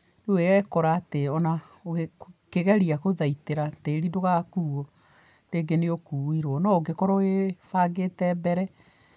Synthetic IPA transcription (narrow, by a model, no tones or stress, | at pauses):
dueɛkɔɾaːteɔna | oɣekeɣɛɾiakoðaiteɾateɾidoɣakuːɔ | ndeːɡeneokuːiɾoɔnɔoɡekɔɾɔefaɡetɛbɛɾɛ